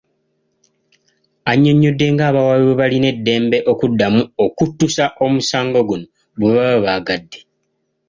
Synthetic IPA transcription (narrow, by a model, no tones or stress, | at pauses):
aɲːo̞ɲːo̞dːe̞ŋɡaːβawaβiβeβaline̞dːe̞ːmbe̞ʔo̞kudːamuokutːusaʔo̞musaːŋɡo̞ɡuno̞ | βuβaβaβaːɡadːe̞